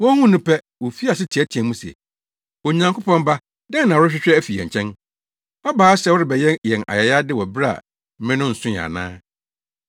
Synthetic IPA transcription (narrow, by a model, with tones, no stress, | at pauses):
wɔ̃˦hũ˦nʊ̃˦pʰɛ˦ | wɔ˨fi˦a˨sɪ˦tʰɛ˦tʰi˨ɛ̃˨mũ˦sɛ̰˨ | wɔ˨ɲã˨ŋko˦pɔ̃˦m˦ba˦ | dɛ̃˦nnːã˨wʊ˦ɾʊ˦ɕᶣɪ˦ɕᶣɾɛ˦æ˦fi˨ɛ̰̃˨ɲ˨t͡ɕʰɛ̃˦n | ɔ˦baː˨˦ɕɛ˨wʊ˦ɾɪ˦˨bɛ˨jɛ˦njɛ̃˨na̰˨jɛ˨ja˦dɪ˦wɔ˨bɾa˦a̰˨ | m̩˦mɪ̃˦nʊ̃˦n̩˨sʊ̃˦ɛ˨a̰˨nã̰ː˦